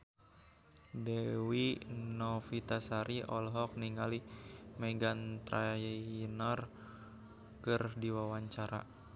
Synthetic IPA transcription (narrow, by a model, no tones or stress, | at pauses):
dɛwinɔfit̪asaɾiɔlɦɔk̚niŋalimɛɡant̪ɾajnɔr | kɨrdiwawaɲt͡ʃaɾa̰